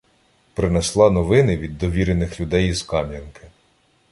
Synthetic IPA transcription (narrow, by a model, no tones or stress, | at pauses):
pɾɪnɛslˠɑnɔʋɪnɪʋʲid̪ːɔʋʲiɾenɪxlʲʊd̪ɛjizkɑmʲjʲɐnkɪ̥